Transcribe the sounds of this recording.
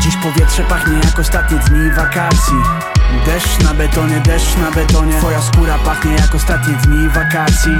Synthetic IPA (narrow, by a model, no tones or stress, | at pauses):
d͡ʑiʃpɔvʲjɛt̪ʂɛpaxɲɛjakɔst̪at̪ɲid̪ɲivakat̪sji | d̪ɛʃnabɛt̪ɔɲɛd̪ɛʃnabɛt̪ɔɲɛɔjaskuɾapaxɲɛjakɔst̪at̪ɲid̪ɲivakat̪sji